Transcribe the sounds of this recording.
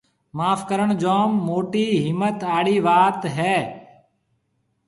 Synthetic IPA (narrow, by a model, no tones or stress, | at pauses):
maːfʰkəɾəɳd͡ʒoːmːoːʈiːɦɪmːət̪aːɽiːʋaːt̪ɦɛː